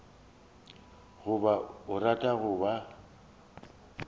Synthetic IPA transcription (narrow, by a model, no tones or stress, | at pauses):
ɣʊbaʊratʼaɣʊba